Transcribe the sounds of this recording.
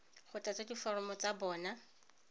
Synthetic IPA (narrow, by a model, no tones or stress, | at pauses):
χʊtʼat͡sʼadifɔɾɔmɔt͡sʼabɔːna